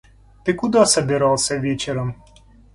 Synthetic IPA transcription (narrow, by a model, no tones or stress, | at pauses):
t̪ɪkud̪ɔsɐbʲɪɾɑlˠsʲɐʋʲit͡ʃɛɾɐm